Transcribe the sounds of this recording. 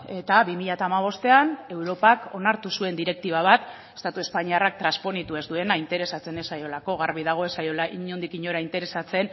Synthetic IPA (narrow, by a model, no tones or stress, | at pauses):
e̞t̪aβimiʎat̪aːmaβ̞o̞st̪e̞ane̞wɾo̞pako̞̰naɾt̪usue̞nd̪iɾe̞k̚t̪iβaβ̞at̪ | e̞st̪at̪ue̞spaɲiarak̚t̪ɾaspo̞nit̪ue̞zd̪ue̞naint̪e̞ɾe̞sat͡se̞nesajo̞lako̞ɣaɾβið̞aɣ̞o̞e̞sajolaiɲond̪ikiɲo̞ɾaint̪e̞ɾe̞sat͡se̞n